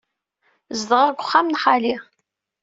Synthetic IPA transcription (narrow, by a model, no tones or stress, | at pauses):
zd̪ʁaɡʷʊχːamnħali